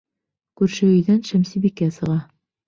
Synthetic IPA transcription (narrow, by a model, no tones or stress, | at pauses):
kʉɾʃɘ̆ɵ̆jðænʃæmsibikæsɤ̆ʁɑ